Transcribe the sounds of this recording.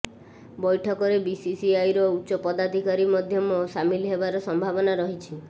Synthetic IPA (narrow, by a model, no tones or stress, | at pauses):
bɔjʈʰɔkɔɾebisisiajɾɔuːt͡ʃɔpɔd̪ad̪ʱikaɾimɔd̪ʱjɔmɔsamilɦebaɾɔsɔmbʱabɔnaɾɔɦit͡ʃʰi